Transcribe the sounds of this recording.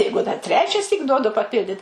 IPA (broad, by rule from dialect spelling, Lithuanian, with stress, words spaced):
ˈjɛɪɡʊ dɐr ˈtʲrʲæːt͡ʃʲɛsʲiːk ˈduɔdʊ pɐˈpʲɪlʲdʲɪt